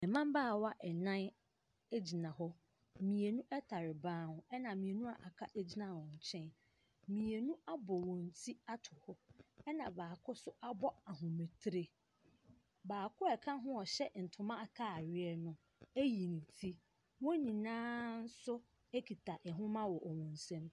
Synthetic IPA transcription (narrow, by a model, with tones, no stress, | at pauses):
ɛ˨mã˦mbaː˦˨wa˦ʔɛ˨nã˦n | e˦d͡ʑi˨nã˨ɦɔ˦ | mĩ˨e˨nũ˦ʔɛ˦tʰa˨ɾɪ˨bãː˦hʊ̃˨ɛ˦nã˨mĩ˨e˨nũ˦a˨ʔa˨kʰa˦ʔe˦d͡ʑi˦nã˨wɔ̃˨ɲ̩˨t͡ɕʰɛ̃˦n | mĩ˨e˨nũ˦a˦bɔ˨wɔ̃˨n̩˨tʰi˦a˦tʰʊ˨hɔ˦ɛ˦nã˨baː˨kʰʊ˦sʊ˦ʔa˦bɔ˦a˨ɦʊ̃˨me˨tʰɾe˨ | baː˨kʰʊ˦ɛ˨kʰã˦ɦʊ̃˦ɔ˨ɕɛ˦n̩˨tʰʊ˨mã˦a˦˨kʰa˦˨ɥɪ˦ɛ˦nʊ̃˦ | e˦ji˨nĩ˨tʰi˦ | wɔ̃˦nĩ˨nãː˦n̩˦sʊ˦ | e˦kʰi˨tʰa˨ʔɛ˨ɦʊ̃˦mã˦wɔ˨ʔɔ˨wɔ̃˨n̩˨sɛ̃˦m